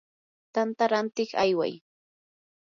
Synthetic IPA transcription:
t̪ant̪aɾant̪ɪχajwa̰j

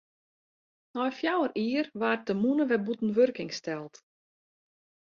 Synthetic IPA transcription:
nɔjfjawəriərʋaːrtəmunəʋɛbutən̩ʋørkɪŋstɛlˠt

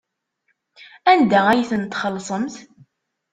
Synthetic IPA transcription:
ænd̪ææjiθənt̪χəlːsˤəmθ

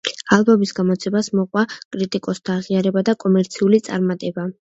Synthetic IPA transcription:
alˠbɔmisɡamɔt̪sʰɛbasmɔqʼwakʼɾit̪ʼikʼɔst̪ʰaːʁiaɾɛbad̪akʼɔmɛɾt̪sʰiulit̪sʼa̰ɾmat̪ʼɛba

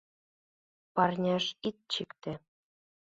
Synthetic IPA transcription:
pɑrnʲɑʃit̪̚t͡ɕɘkt̪ɘ̆

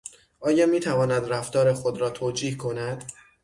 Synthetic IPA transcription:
ʔɒːjɒːmiːt̪ʰævɒːnæd̪ræft̪ɒːɾexod̪ɾɒːt̪ʰoːd͡ʒiːhkʰo̞næd̪̥

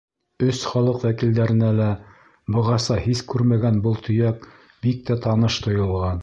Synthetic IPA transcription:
ɵsχɑlˠɤqwækild̪æɾɘ̆nælæ | bɤ̆ʁɑsɑhiskʉɾmæɡænbɤlˠt̪ʰɵ̆jæk | bik̚t̪æt̪ɑnɤʃt̪ŏjɤ̆lˠʁɑn

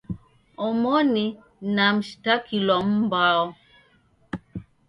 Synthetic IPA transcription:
ɔmɔni | namʃtakilɔmbaɔ

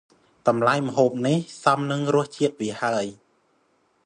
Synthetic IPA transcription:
kɑmlajmə̆ɦoːp̚nihsɑmnɨŋrʊ̆əht͡ɕiət̪̚ʋiəhaəj

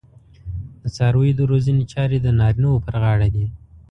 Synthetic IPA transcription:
d̪̥ət͡sɑɾwəjd̪əɾozənet͡ʃɑɾed̪ənɑɾinawopəɾɣɑɽad̪i

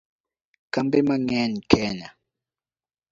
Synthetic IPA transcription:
kambɛmaŋɛnkʰɛːna

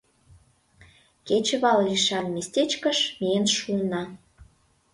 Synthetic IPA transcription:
ket͡ɕə̆βɑlliʃɑnmesʲt̪ʲet͡ɕkə̆ʃmiənʃulnɑ

